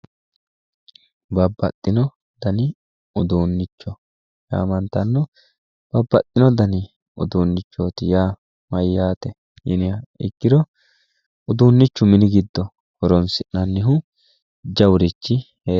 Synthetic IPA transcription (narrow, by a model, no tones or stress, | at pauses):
bɐbːɐt̪ʼːɪnɔ | d̪̥ɐnɪ | ʊd̪uːnːɪt͡ʃːɔ | ja̰ːmɐnt̪ɐnːɔ | b̥ɐbːɐt̪ʼːɪnɔd̪ɐnɪ | ʊ̰d̪uːnːɪt͡ʃːoːt̪ɪjaː | mɐjːaːt̪ɛ | jɪnɪjɐɪ̰kːɪd̪ɔ | ʊd̪uːnːɪt͡ʃːʊmɪnɪɡɪd̪ːɔ | hɔɾɔnsɪʔnɐnːɪɦʊ | d͡ʒɐwʊɾɪt͡ʃːɪ | eː